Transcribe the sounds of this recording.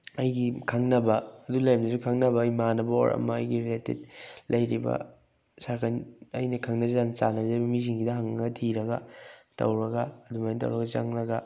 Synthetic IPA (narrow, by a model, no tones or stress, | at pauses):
ɐjɡikʰaŋnɐbɐːdulajmnɐsukʰaŋnɐbɐɐjmanɐbɐo̰ɾʔɐ̰mɐ̰ːjɡiɾiletḛt̚lɐjɾibɐ̰ | sakʰanɐjnɐkʰɐŋnɐzant͡ʃanɐzɐbɐmiziŋɡidɐɦaŋɐɡɐtʰiɾɐɡɐ̰tɐ̰wɾɐɡɐːdumajntɐ̰wɾɐɡɐt͡ʃa̰ŋlɐɡɐ